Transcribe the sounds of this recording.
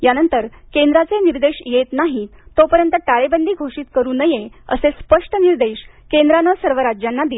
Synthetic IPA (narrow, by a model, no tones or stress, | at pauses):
janənt̪əɾkend̪ɾat͡seniɾd̪eɕjet̪naɦit̪opəɾjənt̪əʈaɭebənd̪ʱiːɡʱoʂiːt̪kəɾuːnəjeə̰sespəʂʈəniɾd̪eɕ | kend̪ɾanəsəɾʋəɾad͡ʑjanːad̪i